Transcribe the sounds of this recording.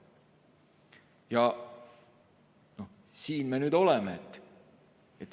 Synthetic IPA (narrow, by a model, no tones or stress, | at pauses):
jɑ | no̞ | siːnme̞nyːd̪o̞lemeet̪ːˑ | et̪ːˑ